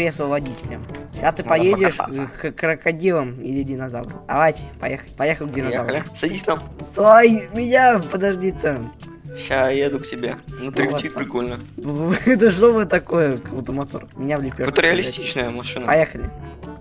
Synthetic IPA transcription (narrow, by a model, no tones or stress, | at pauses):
ɾʲesəvɐdʲitʲɪlʲə̰mɕat̪ɨpɐjedʲɪʂkkɾəkɐdʲiləmɪlʲɪdʲɪnɐzavɾə̰d̪ɐ̰vajtʲɪ̥pɐ̰jexəlʲpɐjexəlʲɡdʲenɐjzavlɪsɐdʲisʲknamst̪oajmʲɪnʲapəd̪ɐʐdʲit̪ə | ɕajed̪ʊktʲɪbʲḛnut̪ɾʲɪtit̪pɾʲɪkolʲnə | ɛt̪əʂnovɨt̪ɐkojəkəʊt̪əmɐt̪ormʲɪnʲavlʲɪpʲot̪ɾʲɪɐlʲɪsstʲit͡ɕnəjəmɐʂɨnəpɐjexəlʲɪ